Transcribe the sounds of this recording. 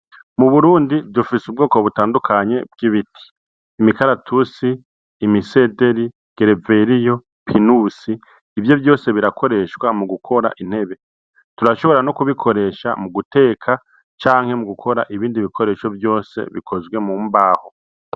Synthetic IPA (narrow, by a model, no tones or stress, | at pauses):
muβuɾuːndidufisub̚ɡo̞ːko̞βutaːndukʰaɲe̞̰b̚ɡiβitʰi̥ː | mikaɾatʰusiː | mise̞de̞ɾi | ɡ̥eɾeve̞ɾijo̞ | pʰinusiː | vjo̞vjo̞ːse̞βiɾakʰo̞ɾe̞ʃwamuɡukʰo̞ɾa̰ʔin̥he̞βe̞ | tuɾaʃo̞βo̞ɾanokuβikʰo̞ɾe̞ːʃa̰muɡute̞ːkʰa | t͡ʃaːŋ̥he̞muɡukʰo̞ɾa̰ʔiβiːndiβikʰoɾe̞ːʃo̞vjo̞ːse̞̰βḭkʰo̞zɡwe̞muːmbaːho̞